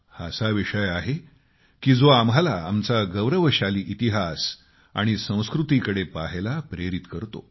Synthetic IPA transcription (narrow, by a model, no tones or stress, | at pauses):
hasaʋiʂəjaɦe | kiːd͡zoamalaa̰mt͡saɡəʋɾəʋəɕaliːʔit̪iɦas | a̰ɽ̃isə̃w̃skɾut̪ikəɽepaɦelapɾeɾit̪kəɾt̪o̰